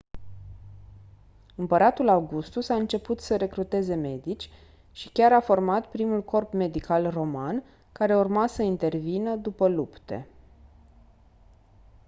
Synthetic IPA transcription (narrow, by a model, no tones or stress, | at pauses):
ɨmpəɾat̪ulawɡust̪usaɨnt͡ʃe̞put̪səɾe̞kɾut̪e̞ze̞me̞d̪it͡ʃʲ | ʃikʲaɾafo̞rmat̪pɾimulko̞rpme̞d̪ikʰalro̞man | kaɾe̞urmasəint̪e̞rvinəd̪upəlupt̪e̞̰